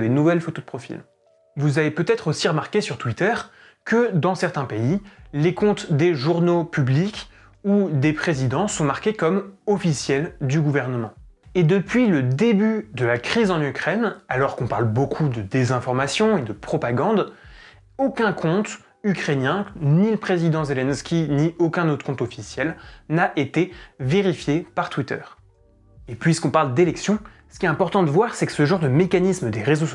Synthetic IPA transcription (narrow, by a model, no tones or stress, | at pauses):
d̪enuvɛlfot̪od̪pχɔfḭl | vuzavepøt̪ɛt̪χosiʁəmaʁkʲesyʁt̪wit̪œʁ | kəd̪ɑ̃sɛʁt̪ɛ̃peilekɔ̃t̪d̪eʒuʁnopyblik | ud̪epχezid̪ɑ̃sɔ̃maʁkʲekɔmɔfisjɛld̪yɡuvɛʁnəmɑ̃ | ed̪əpɥiləd̪ebyd̪əlakχizɑ̃nykχɛnalɔʁkɔ̃paʁlbokʰud̪əd̪ezɛ̃fɔʁmasjɔ̃ed̪əpχɔpaɡɑ̃d̪ | okʲɛ̃kʰɔ̃t̪ | ykχenjɛ̃niləpχezid̪ɑ̃zelɛnskʲiniokʲɛ̃not̪χəkɔ̃t̪ɔfisjɛlnaʔet̪eveʁifjepaʁt̪wit̪œ̰ːʁ | epɥiskɔ̃paʁld̪elɛksjɔ̃sə̥kʲiɛt̪ɛ̃pɔʁt̪ɑ̃d̪əvwaʁsɛkə̥səʒɑ̃ʁd̪əmekanisməd̪eʁezos